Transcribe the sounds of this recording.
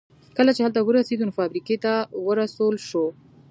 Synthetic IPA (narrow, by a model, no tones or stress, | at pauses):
kəlat͡ʃeɦalt̪awəɾased̪unofɑbɾiket̪awəɾasolʃo